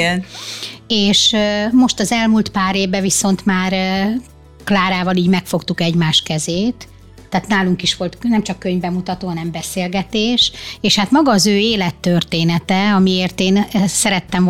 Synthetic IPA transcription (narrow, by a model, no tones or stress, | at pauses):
n | eːʃømo̞ʃt̪ɒzɛlmult̪paːɾeːvbɛviso̞nt̪maːr | klaːɾaːvɒliːɟmɛkfo̞kt̪ukɛɟmaːʃkɛzeːt̪ː | aːt̪naːluŋkiʃʋo̞lt̪nɛmt͡ʃɒkːøɲvbɛmut̪ɒt̪oːɦɒnɛmbɛseːlɡɛt̪eːʃeːʃhat̪mɒɡɒːzøːeːlɛt̪ːørt̪eːnɛt̪ɛɒmieːrt̪eːnsɛɾɛt̪ːɛɱv